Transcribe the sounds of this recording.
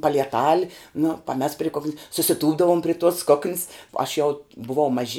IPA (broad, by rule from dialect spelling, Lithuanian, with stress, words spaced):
pɐlʲiɛˈtɐlʲ nʊ pɐˈmʲɛs pʲrʲɪ ˈkoːkʲnʲsʲ sʊsʲɪˈtuːbdɐʋʊm pʲrʲɪ tuɔs ˈkoːkʲnʲs ɐʃ ˈjɛʊ bʊˈʋɐʊ mɐˈʒʲɪ